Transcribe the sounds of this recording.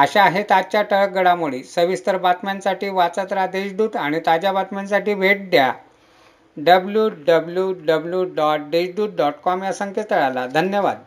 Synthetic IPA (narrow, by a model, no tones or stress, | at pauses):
əɕaɦet̪at͡ɕjaʈəɭk̚ɡəɽamuɭisəʋist̪əɾbat̪mansaʈiːʋat͡sət̪ɾad̪eɕɖuːt̪aɽ̃it̪ad͡ʑjabat̪mansaʈiːʋeʈ̚d̪ja | ɖəbljuːɖəbljuɖəbljuɖɔʈ̚ɖeɕɖuːt̪̚ɖɔʈkɔmjasəŋket̪əɭalad̪ʱənjəʋa̰d̪̚